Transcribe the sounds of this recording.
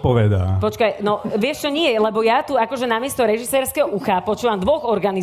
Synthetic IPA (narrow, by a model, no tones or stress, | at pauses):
pɔʋɛd̪a̰pɔt͡ʃkajnɔʋɪɛʃt͡ʃɔɲɪɛjɛlɛbɔjat̪uakɔʒɛnamɪɛst̪ɔɾɛʒisɛːɾskɛːɦɔʔuxapɔt͡ʃuːʋamd̪ʋɔɣɔɾɡani